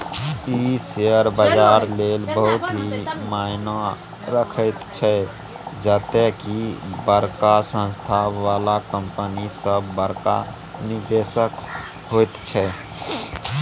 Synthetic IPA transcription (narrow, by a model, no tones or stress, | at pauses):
iseəɾbəd͡ʒaɾlelbəɦut̪ɦimaɪna | ɾəkʰət̪t͡ʃʰɛ | d͡ʒət̪ekibəɾkasə̃nst̪ʰaalakəmpənisəbːəɾka̰ | nid̪esək | ɦojt̪t͡ʃʰɛ